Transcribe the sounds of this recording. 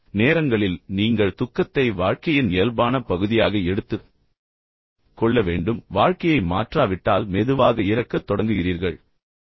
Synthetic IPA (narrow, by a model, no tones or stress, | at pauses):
neːɾɐŋɡɐɭɪlniːŋɡɐɭt̪ʊkːɐt̪ːɐɪʋaːɻkɐjɪnɪjɐlbaːnɐpɐɣɯðɪjaːɣɐɛɽɯt̪ːɯ | kɔɭːɐʋeːɳɖɯmʋaːɻkɐjɐɪma̰ːʈraːʋɪʈːaːlmɛðɯʋaːɣɐɪɾɐkːɐt̪ːɔɽɐŋɡɯɣɪɾiːɾɣɐɭ